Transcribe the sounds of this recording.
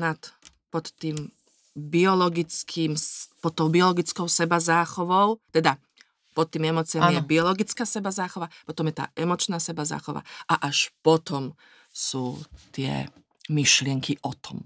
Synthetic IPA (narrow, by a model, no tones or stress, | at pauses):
nat̪ | pɔt̪ːiːm | biɔlɔɡit͡skʰiːmpɔt̪ːɔʊbiɔlɔɡit͡skɔʊsɛbazaːxɔʋɔʊt̪ɛd̪a | pɔt̪ːiːmɛmɔt͡siamːnmjɛbiɔlɔɡit͡skaːsɛbazaːxɔʋapɔt̪ɔmjɛt̪a̰ːɛmɔt͡ʃnaːsɛbaza̰ːxɔʋa̰ʔaʔaʃpɔt̪ɔm | suːt̪ɪɛ̰ | miʃlɪɛŋkʰiʔɔt̪ɔm